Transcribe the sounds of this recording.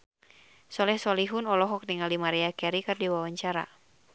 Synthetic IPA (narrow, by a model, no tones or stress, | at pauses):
sɔlɛhsɔliɦʊnɔlɔɦɔk̚diŋalimaɾɛakɛɾikɨrdiwawaɲt͡ʃaɾa̰